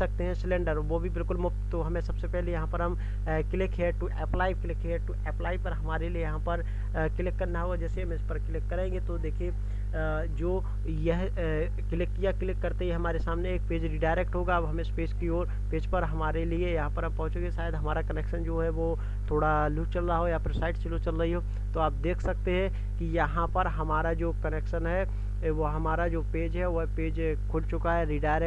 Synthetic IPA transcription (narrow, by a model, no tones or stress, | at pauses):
ɐk̚t̪eɦɛ̃sɪlɛ̃ːɳɖəɾʋobʱibɪlkʊlmʊft̪t̪oɦɐmẽsɐbsepɛɦlejɐɦãpɐɾɦɐm | kɪlɪkɦeːʈuʔɛːplaːɪkɪlɪkɦeːʈuʔɛːplaːɪpɐɾɦɐmaːɾeliejɐɦãpɐɾ | kɪlɪkːɐɾnaɦoɡad͡ʒɛːseɦɐmɪspɐɾkɪlɪkːɐɾẽːɡet̪od̪eːkʰie | d͡ʒoː | jɛɦ | kɪlɪkːijakɪlɪkːɐɾt̪ejeɦɐmaːɾesaːmneeːk̚peːd͡ʒɾiɖaːɪɾeːk̚ʈɦoːɡabɦɐmẽspeːskioːɾ | peːd͡ʒpɐɾɦɐmaːɾeliejɐɦãpɐɾɐpːɐɦʊ̃t͡ʃẽɡeʃaːjəd̪ɦɐmaːɾakɐneːkʃənd͡ʒoːɦɛʋo | t̪ʰoːɽalut͡ʃɐlːaɦojapɾsaːɪʈt͡ʃɐlot͡ʃɐlːɐɦiɦoː | t̪oaːp̚d̪eːkʰsɐk̚t̪eɦɛ̃ | kijɐɦãpɐɾɦɐmaːɾad͡ʒoːkɐneːkʃənɦɛ | ʋoɦɐmaːɾad͡ʒoːpeːd͡ʒɦɛʋoɦpeːd͡ʒ | kʰʊlt͡ʃʊkaɦɛɾiːɖaːɪɾɛ